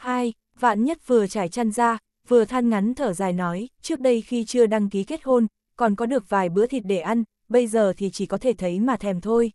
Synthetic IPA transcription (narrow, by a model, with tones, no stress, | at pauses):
haː˧j | va̰ː˧˨nɲə˦˥t̚vɨ˨˩ət͡ɕaː˧˩jt͡ɕaː˧nzaː˧ | vɨ˨˩ət̪ʰaː˧nŋa˨˦nt̪ʰəː˧˩zaː˨˩jnɔ˨˦jt͡ɕɨ˦˥ək̚ɗə˧jxi˧t͡ɕɨ˧əɗaː˧ŋki˨˦ke˦˥t̚ho˧n | kɔ˨˩nkɔ˨˦ɗɨ˨˩ək̚vaː˨˩jɓɨ̰˧˥ət̪ʰi˨˩t̚ɗe˧˩ʔa˧n | ɓə˧jzəː˨˩t̪ʰi˨˩t͡ɕi˧˩kɔ˨˦t̪ʰe˧˩t̪ʰə˨˦jmaː˨˩t̪ʰɛ˨˩mt̪ʰo˧j